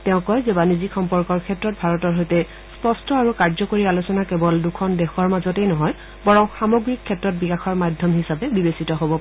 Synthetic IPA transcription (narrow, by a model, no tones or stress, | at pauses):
tɛʊ̃kɔjzɛbanizikʰɔmpɔɹkɔɹkʰɛtɹɔt̚bʱaɹɔtɔɹɦojtɛ | spɔstɔaɹukaɹzɔkoɹialusɔnakɛbɔldukʰɔndɛxɔɹmazɔtɛjnɔɦɔj | bɔɹɔŋxamoɡɹikʰːɛtɹɔt̚bikaxɔɹmadʱjɔmɦisapɛbibesitɔɦobɔ